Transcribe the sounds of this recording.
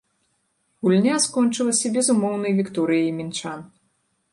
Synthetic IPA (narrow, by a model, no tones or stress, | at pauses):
ɣulʲnʲaskɔnt͡ʂɨlˠɐsʲɐbʲɛzumɔwnɐjvʲikt̪ɔɾɨjijmʲint͡ʂan